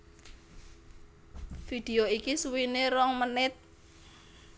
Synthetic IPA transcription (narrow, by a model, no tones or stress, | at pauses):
fid̪̥eoikisuwineɾɔŋmənɪt̪̚